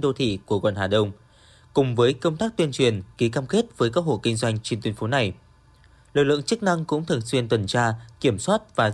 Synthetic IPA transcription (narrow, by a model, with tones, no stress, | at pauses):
ɗo˧t̪ʰḭ˧˨ku˧˩əɣɔ̰ː˧˨nhaː˨˩ɗə˧wŋ͡m | kʊ˨˩ŋ͡mvəː˨˦jkə˧wŋ͡mt̪aː˦˥k̚t̪wi˧ənt͡ɕwi˨˩ənki˨˦kaː˧mke˦˥t̚vəː˨˦jkaː˦˥k̚ho̰˧˨ki˧ŋ̟zwa˧jŋ̟t͡ɕe˧nt̪wi˧ənfo˨˦na˨˩j | lɨ̰˨k̚lɨ̰˧˨ə˨ŋt͡ɕɨ˦˥k̚na˧ŋkʊ̰˧˥ŋ͡mt̪ʰɨ˨˩nswi˧ənt̪wə˨˩nt͡ɕaː˧ki˧˩əmswaː˦˥t̚vaː˨˩